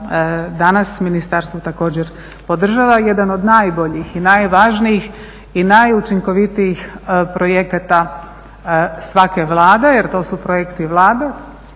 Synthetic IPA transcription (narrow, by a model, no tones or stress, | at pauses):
d̪anasminist̪aɾst̪ʋot̪ako̞ːd͡ʑeɾ | po̞d̪r̩ʒaʋaje̞d̪ano̞d̪najbo̞ʎixinajʋaːʒnijix | inajut͡ʃiŋko̞ʋit̪ijixpɾo̞jekat̪a | sʋake̞ʋlˠaːd̪e̞jeɾt̪o̞ːsupɾojekt̪iʋlˠaːd̪e